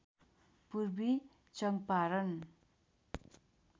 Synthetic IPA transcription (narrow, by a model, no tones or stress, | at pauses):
puɾbi | t͡ʃʌŋpaɾʌn